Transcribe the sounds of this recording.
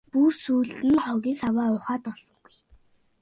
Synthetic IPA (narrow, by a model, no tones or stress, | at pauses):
pursuːɮtɘ̆nχɔɣʲiːsawaːʊːχaːt̪ɔɮsɞ̆ŋɡuj